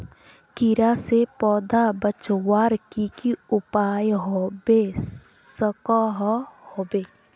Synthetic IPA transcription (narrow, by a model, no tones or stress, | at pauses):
kɪɾasepɔːd̪abət͡ʃwaːɾkikiʊpaːjɦobesəkɔɦhoːbeː